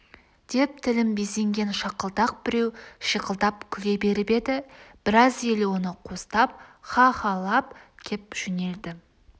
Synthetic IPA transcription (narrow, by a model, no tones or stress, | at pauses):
d̪̥e̞p̚t̪ʰɪlɪmbese̞ŋɡʲe̞nʃɑqəlˠd̪ɑq̚bɪɾe̞wʃiqəlˠd̪ɑpkʲʰʏle̞be̞ɾɪbe̞d̪ɪb̥ɪɾɑze̞lwo̞nəqʰo̞st̪ɑp̚χɑχɑlˠɑpkʲʰep̚ʒ̥ʏne̞ld̪ɪ